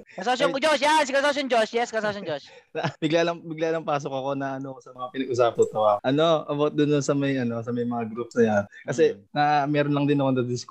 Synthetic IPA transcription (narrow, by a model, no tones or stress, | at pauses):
kɐsosod͡ʒosjansɪkɐsosjʊŋd͡ʒosjɛskɐsosod͡ʒos | sɐbɪɡlalɐŋbɪɡlalɐŋpaːs̬okɐko̞nɐʔɐnosɐmɐŋapɪnɐɡʔʊs̬aːp̚t̪ʊt̪owakʔɐno̞ʔɐbot̪̚d̪ʊnːʊnsɐmɐjʔɐno̞sɐmɐjmɐŋaɡɾupsnɐjankɐsɛnɐmɛːɾonlɐŋd̪ɪnɐkond̪ɐd̪ɪsk